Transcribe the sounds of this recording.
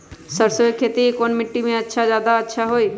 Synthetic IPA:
səɾsoekʰet̪ikonmiʈːimẽətːʃʰad͡ʒaːd̪aətːʃʰaɦoj

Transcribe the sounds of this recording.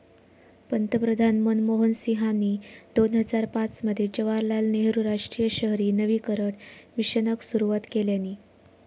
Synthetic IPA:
pənt̪əpɾəd̪ʱanmənmoɦənsiɦanid̪onɦəd͡zaɾpat͡sməd̪ʱːjed͡ʑəʋaɾlalneɦɾuɾaʂʈɾijəɕəɦɾiːnəʋiːkəɾəʈmiɕənəksuɾuʋat̪keljanːiː

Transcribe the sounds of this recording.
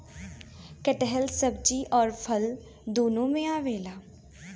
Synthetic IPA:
kəʈəɦəlsəb̚d͡ʒiːʔɔːɾpʰəl | d̪oːnõːmẽːaːʋeːlaː

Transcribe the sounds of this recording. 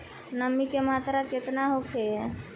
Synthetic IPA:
nəmːikemat̪ɾaket̪naɦokʰe

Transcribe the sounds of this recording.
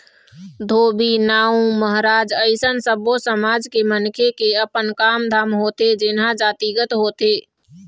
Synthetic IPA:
d̪ʱoːbinaːũməɦɾaːd͡ʒəɪsənsəbosəmaːd͡ʒkemənkʰekeəpənkaːmd̪ʱaːmɦoːt̪ed͡ʒɪnɦãd͡ʒaːt̪iɡət̪ɦoːt̪eː

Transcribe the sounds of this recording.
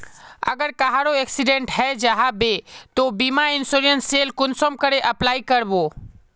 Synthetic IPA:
ə̰ɡəɾkaɦaɾoeksiɖẽɳʈɦɛd͡ʒaɦabet̪obimaɪnsoɾiənseːlkʊnsomkəɾeʔɐplaːikəɾbo

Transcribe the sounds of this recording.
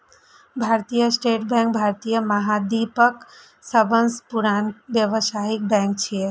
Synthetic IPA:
bʱaɾt̪ijəsʈeʈbɛ̃ŋk̚bʱaɾt̪ijəməɦad̪ipək | səbənspuɾanbjəʋəsaɦik̚bɛ̃ŋk̚t͡ʃʰie

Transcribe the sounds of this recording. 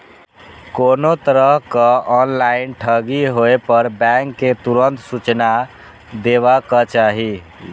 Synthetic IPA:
konot̪əɾəɦkəɔnlainʈʰəɡiɦoepəɾbɛŋkːet̪uɾənt̪sut͡ʃna | d̪eβakət͡ʃaɦi

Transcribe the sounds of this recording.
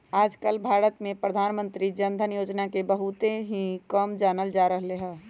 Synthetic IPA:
aːd͡ʒkəlbʱaːɾət̪mẽpɾəd̪ʱaːnmə̃nt̪ɾid͡ʒənd̪ʱənjoːd͡ʒnakebəɦut̪ẽɦĩkəmd͡ʒaːnəld͡ʒaɾəɦleɦɛ̃ː

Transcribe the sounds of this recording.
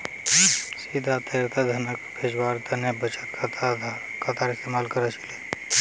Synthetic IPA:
siːd̪ʱat̪ət̪ad̪ʱɐnəkbʰʱed͡ʒwaːɾt̪ʰənabət͡ʃət̪kʰt̪ | kʰat̪aːɾɪst̪eːmaːlkəɾət͡ʃile

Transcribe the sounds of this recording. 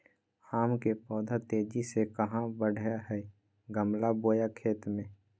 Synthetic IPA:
aːmkepɔːd̪ʱat̪eːd͡ʒisekəɦãbəɽ̤ʱaɦɛ | ɡəmlaboːjakʰeːt̪mẽː

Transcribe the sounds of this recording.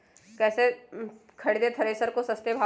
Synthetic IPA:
kɛːsekʰɐɽed̪et̪ʰɐɾesəɾkosɐst̪ebʱaː

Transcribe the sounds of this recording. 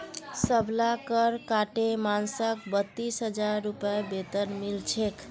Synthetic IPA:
səbʱlakəɾkaʈemansək̚bət̪ːisɦəd͡ʒaɾːupebet̪ənmilt͡ʃʰekʰ

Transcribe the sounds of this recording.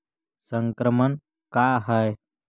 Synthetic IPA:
səŋkɾəmən | kaɦəj

